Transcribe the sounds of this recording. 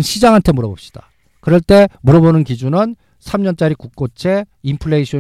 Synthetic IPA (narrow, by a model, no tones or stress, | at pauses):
nɕʰid͡ʑaŋɦantʰe̞muɾʌbop̚ɕ͈i̥d̥a | kɯɾʌɭt͈e̞muɾʌbonɯnkid͡ʑunɯn | sʰamɲʌnt͡ɕ͈aɾikuk̚k͈ot͡ɕʰe̞impʰɯɭːeiɕʰʌ